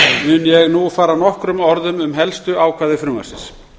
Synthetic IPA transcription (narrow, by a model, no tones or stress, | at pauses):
mʏnjɛɣnufaːɾanɔhkɾʏmɔɾðʏmʏmɦɛlst̪ʏawkʰvaːðɪfɾʏːma̰sɪ̰ns